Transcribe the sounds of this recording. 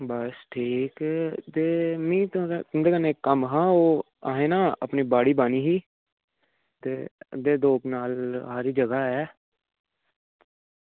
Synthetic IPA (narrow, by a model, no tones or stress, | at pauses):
bəsʈʰiːkt̪eːmĩːt̪nd̪eːkəneːkːəmɦãːoː | aːɦeːnaːə̰pniːbaːɽiːbaːniːɦiː | t̪eːd̪eːd̪oːknaːlɦaːɾiːd͡ʒəɡaːɛː